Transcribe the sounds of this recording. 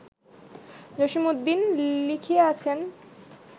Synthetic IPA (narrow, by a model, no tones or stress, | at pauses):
d͡ʑoʃimod̪ːinlikʰieat͡ɕʰen